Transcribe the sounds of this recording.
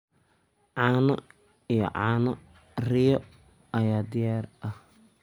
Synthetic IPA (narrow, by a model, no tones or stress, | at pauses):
ʕɑːnɔ | ijɔ̰ʕɑ̰ːnɔ | rɪjɔ | ɐjaːd̪ɪjaːrʔɐh